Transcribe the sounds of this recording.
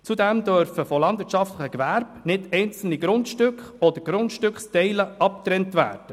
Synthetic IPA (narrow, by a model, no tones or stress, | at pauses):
t͡sudɛmd̪œɾfəfɔlɑndʋɪɾtt͡ʃʃɑftləχəkʋæɾb̥nɪdɛɪnt͡sl̩niɡɾʊntʃtʏkχɔd̥̪əɾɡ̥ɾʊntʃtʏkχstɛɪləɑp̚t̪ɾɛntʋæ̰ːɾd̥ə